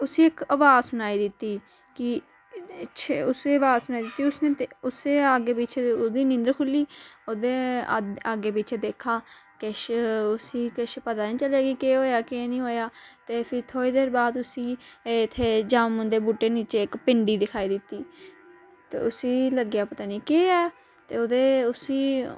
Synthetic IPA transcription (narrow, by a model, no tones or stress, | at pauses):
ʊsĩːɪkəʋaːzsʊnaːiːd̪ɪt̪ːiː | kɪ | ɪʃʰeʊseːəʋaːzsʊnaːid̪ɪt̪ːiːʊsneːʊseːaːɡeːpɪt͡ʃʰod̪iːnɪ̃nd̪əɾkʰʊlːiːoːd̪eːaːɡeːpit͡ʃʰed̪eːkʰːaːkɪʃʊsiːkɪʃpəd̪aːnĩːt͡ʃəleːɡiːkeːɦoːjaːkenĩːɦoːjaːt̪eːpʰɪɾt̪ʰoːiːd̪eːɾbaːd̪ʊsiːɪt̪ʰːeːd͡ʒaːmːə̃nd̪eːbuːʈːeːniːt͡ʃeːɪkpɪɳɖiːd̪ɪkʰaːiːd̪ɪt̪ːiː | t̪ḛːʊsiːləɡjaːpət̪aːniːkeːɛː | t̪ḛːoːd̪eːʊsiː